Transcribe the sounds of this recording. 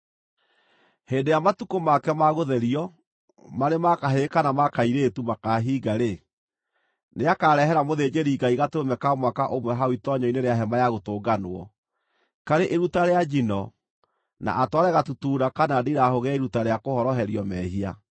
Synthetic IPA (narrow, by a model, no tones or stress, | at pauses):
heːndejamatukomakɛmaɣoðɛɾiɔ | maɾemakaɦekanamakaiɾetumakaɦiːɡaɾe | neakaɾɛɦɛɾamoðed͡ʑeɾiːɡaiɣatoɾomɛkamwakaʔomwɛɦaoitɔɲɔineɾeaɦɛmajaɣotoːɡanoɔ̰ | kaɾeʔeɾutaɾead͡ʒinɔ | na̰ʔatwaɾɛɣatutuːɾakanadiɾahoɣɛeɾutaɾeakohɔɾɔɦɛɾiɔmɛhia